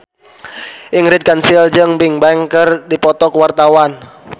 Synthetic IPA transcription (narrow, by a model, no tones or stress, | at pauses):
ʔɪŋɾɪt̪̚kansild͡ʒəŋpɪŋbaŋkərdipɔt̪ɔkwart̪awan